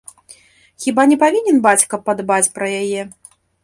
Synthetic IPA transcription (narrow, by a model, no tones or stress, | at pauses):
xʲibanʲɛpavʲinʲɛnbat͡sʲkɐpːɐd̪bat͡sʲpɾɐjajɛ